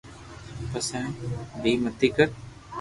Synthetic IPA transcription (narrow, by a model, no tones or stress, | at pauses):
pəsɛ̃ːbʱiːmət̪iːkəɾ